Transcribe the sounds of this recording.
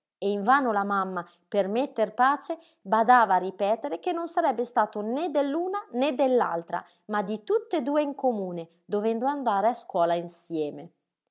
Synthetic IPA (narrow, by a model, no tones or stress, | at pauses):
eiɱvaːnolamamːa | permet̪ːerpaːt͡ʃe | bad̪aːvaːripɛːt̪eɾek̟enːonsaɾɛbːest̪aːt̪oned̪elːuːnaned̪elːa̰lt̪ɾa̰ | mad̪it̪ut̪ːed̪uːeiŋkomuːne | d̪ovɛnd̪oand̪aːɾeaskwɔːlainsjɛːme